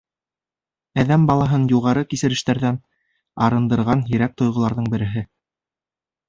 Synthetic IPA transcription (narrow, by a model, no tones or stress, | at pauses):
æðæmbɑlˠɑɦɤnjuʁɑɾɤkisɘ̆ɾɘ̆ʃt̪æɾðæn | ɑɾɤ̆nd̪ɤ̆ɾʁɑnjɘ̆ɾæk̚t̪ŏjʁŏlˠɑɾðɤɴbɘ̆ɾɘ̆ɦɘ